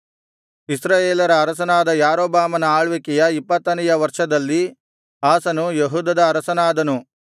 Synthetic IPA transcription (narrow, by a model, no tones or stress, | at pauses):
isɾaːjeːlɐɾɐːɾɐs̬ɐnaːd̪ɐjaːɾoːbaːmɐnɐaːɭʋikɛjɐipːɐt̪ːɐnɛjɐʋɐɾʂɐd̪ɐlːi | aːsɐnujeɦuːd̪ɐd̪ɐːɾɐsɐnaːd̪ɐnu